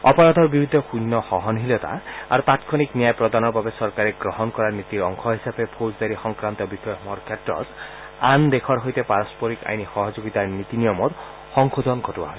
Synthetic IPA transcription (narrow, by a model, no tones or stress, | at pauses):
ɔpɔɹɔt̪ɔɹbibid̪ʱːɔxunːɔxɔɦɔnɦilɔt̪a̰a̰ɹut̪at̪kʰɔniknijajpɹɔd̪anɔɹbabesɔɹkaɾɛɡɹɔɦɔnkɔɹaɹnit̪iɹɔŋkʰɔɦisapɛpʰozd̪aɾixɔŋkɹant̪ɔbixɔjɔmɔɹkʰetɹɔ̰t̪ | and̪ekʰɔɹɦojt̪ɛpaɹɔspɔɾika̰jnixɔɦɔzoɡit̪aɹnit̪inijɔmɔt | xɔŋkod̪ʱɔnkʰɔtuwa̰ɦɔj